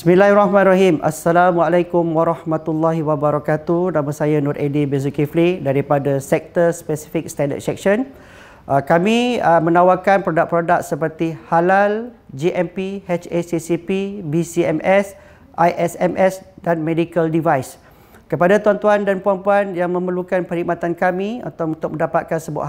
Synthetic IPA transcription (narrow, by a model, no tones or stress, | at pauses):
bismĩlaɦrahmãnraɦimʔa̰sːalamwalajkumwaɾɑhmat̪ulːaɦiwabaɾakat̪unamə̃sajanɔɾʔedibezukiflidaɾipadasɛk̚t̪əspɛsi̥fik̚st̪ɛndə̰t̪̚sɛk̚ʃən | ʔəkamĩəmə̃nawakanpɾodak̚pɾodak̚səpərt̪ihalal | d͡ʒiʔɛmpihɛt͡ʃesisipibisiɛmɛs | ʔajʔɛsɛmʔɛsdanmẽdikəldivajs | kəpadat̪uant̪uandanpuanpuanjaŋmə̃mərlukanpəɾhik̚mat̪ankamĩṵnt̪aʊunt̪ʊk̚mə̃ndapat̪̚kansəbua̰ʔ